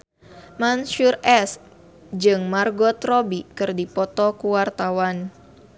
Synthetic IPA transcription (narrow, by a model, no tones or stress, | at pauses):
manʃurʔɛs | d͡ʒɨŋmarɡɔt̪ɾɔbikɨrdipɔt̪ɔkuwart̪awan